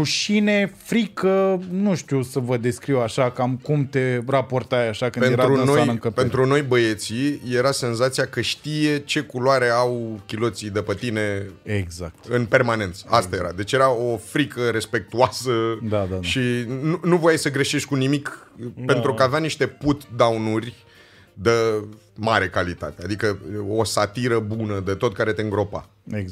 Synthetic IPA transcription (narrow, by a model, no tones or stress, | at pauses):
ɾuʃinefɾikənuʃt̪usəvəd̪e̞skɾiwaʃakamkumt̪e̞rapo̞rt̪ajaʃakɨnpeeɾaɾunoajnəŋkəppent̪ɾuno̞jbəet̪sije̞ɾase̞nzat̪sijakəʃt̪ije̞t͡ʃe̞kuloaɾeawkʲilo̞t̪sid̪əpət̪ine̞eɡzak̚t̪ɨnpe̞rmanẽ̞nt̪sə̥ast̪aje̞ɾa̰d̪e̞t͡ʃje̞ɾao̞fɾikəɾe̞spe̞k̚t̪uasəd̪aaʃinunuvojajsəɡɾeʃe̞ʃt̪ʲkunimikppe̞nt̪ɾukaːveaniʃt̪e̞put̪d̪awnurʲ | d̪ə | maɾe̞kalit̪a̰t̪ead̪ikəosat̪iɾəbunəd̪et̪o̞t̪̚kaɾe̞t̪e̞ɨŋɡɾo̞pa̰ | e